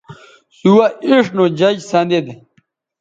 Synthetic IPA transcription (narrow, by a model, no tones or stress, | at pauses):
suwɐiʂnod͡ʑɐd͡ʑsãːnd̪ed̪